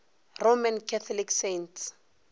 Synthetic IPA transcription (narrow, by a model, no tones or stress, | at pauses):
romankʰɛt̪ʰɔliksents